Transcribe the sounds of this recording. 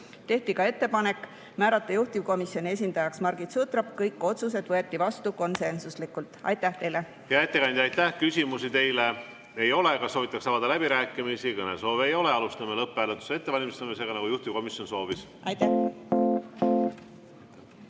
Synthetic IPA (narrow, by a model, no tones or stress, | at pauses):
t̪e̞ht̪ikɑe̞t̪ːe̞pɑne̞kːˑ | mæːɾɑt̪ːˑejuht̪ʲivko̞misjo̞nʲie̞s̬ʲind̪̥ɑjɑksmɑrɡ̥it̪sut̪ɾɑb̥kɤjkːˑo̞t̪sus̬e̞d̪vɤe̞t̪ːˑivɑst̪uko̞nse̞nsuslikːˑult̪ˑɑ̰jt̪ːæht̪e̞jle | hjɑet̪ːˑekɑjnd̪ʲɑjt̪ːæhkysʲimusit̪e̞jle | e̞jo̞lekɑsoːvit̪ːˑɑksɑvɑd̪ɑlæb̥iɾæːkːˑimisikɤnḛso̞ːvejo̞leɑlust̪ɑmelɤpˑːæːlet̪ːˑu̥see̞t̪ːe̞vɑlʲimist̪emese̞ːɡ̥ɑnɑɡujuht̪ʲivko̞misjo̞nso̞ːvis | ɑjt̪ːæ